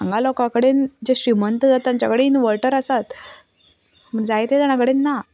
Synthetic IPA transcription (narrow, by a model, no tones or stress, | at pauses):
aŋɡalɔkãkəɽend͡ʑeɕɾimənt̪əd͡zat̪ːjaɲt͡ɕakəɽeinʋəɾʈəɾəsat̪ | məɾd͡zajt̪ed̪aɽ̃ãkəɽenːa